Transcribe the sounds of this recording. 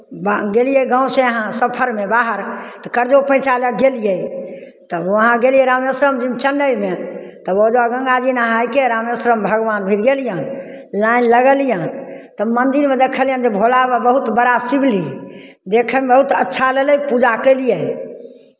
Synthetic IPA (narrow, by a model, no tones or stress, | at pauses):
baɡelijeɡãw̃seəɦãsəpʰəɾmebaɦəɾt̪ɔkəɾd͡ʒopə̃ɪ̃t͡ʃaləɡelijə | t̪ɔəɦãɡelijɛɾamjəsɾəmd͡ʒimt͡ʃənɖəjmet̪ɔbəd͡ʒaɡə̃ŋɡad͡ʒinaɦajkeɾamjəsɾəmbʱəɡʋanbʱiɾɡelijã | lainləɡɛljãt̪ɔmənd̪iɾmed̪ekʰəljə̃nd͡ʒebʱolabəbəɦut̪bəɽasibʱli | d̪ekʰəmebəɦut̪ətːʃʰaleləjpud͡ʒakəlije